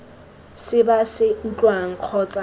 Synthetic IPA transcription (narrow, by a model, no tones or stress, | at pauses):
sɪbasɪn̩t͡ɬʼwaŋ̩q͡χʰɔt͡sʼa